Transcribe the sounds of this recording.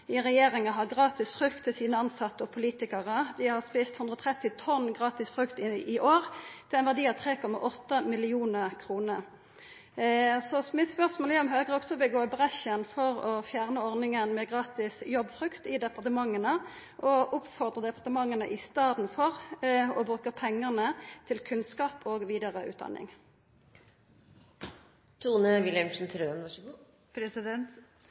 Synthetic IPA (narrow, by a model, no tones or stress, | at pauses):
ɪʁɛjeːʁɪŋəɦɑʁɡʁɑːt̪ɪsfʁʉkt̪ʰːɪlsiːnəɑnsɑt̪ːəɔpʰʊliːt̪ɪkəʁəd̪ɪhɑʁspiːst̪hʉnd̪ʁəɔt̪ʰʁɛt̪ːɪt̪ʰɔnɡʁɑːt̪ɪsfʁʉkt̪ɪɪʔoːʁt̪ʰɪlɛɪnʋæʁd̪iːɑʋt̪ʰʁeːkʰɔmːɑ̰ʔɔt̪ːəmɪlɪuːnəʁkʰʁuːnə | sɔmɪt̪spœʁsmoːlɛɔmɦøːɡəʁɔɡsɔbəɡoːbʁɛʃənfɔʁɔfjæːʁnəɔʁnɪŋənmɛɡʁɑːt̪ɪsjɔbfʁʉkt̪ɪd̪ɛpɑʁt̪əmɑŋːənə | ʔɔʔʊpfɔʁd̪ʁəd̪ɛpɑʁt̪əmɑŋːənəʔɪst̪ɑːd̪n̩fɔʁɔbʁʉːkəpʰɛŋːəʁnət̪ʰɪlkʰʉnskɑːpʰoːɡʋiːd̪əʁəʔʉ̰ːd̪ɑ̰nʔɪ̰ŋ | t̪ʰuːnəʋɪlɛmʂn̩t̪ʰɾøːn | pɾɛsɪd̪ɛnt̪